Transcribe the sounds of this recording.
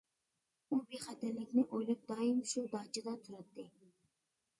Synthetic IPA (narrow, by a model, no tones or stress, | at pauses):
ubeχɛt̪ɛɾlɪkʲnɪʔojlɑp̚d̪̥ɑːimʃud̪ɑːt͡ʃʰɪd̪ɑt̪ʰuɾɑt̪ːɪ